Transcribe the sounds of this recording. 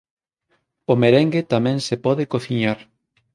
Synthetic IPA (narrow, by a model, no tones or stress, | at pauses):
omeɾɛŋɡet̪amɛ̃ŋsepɔðekoθiɲaɾ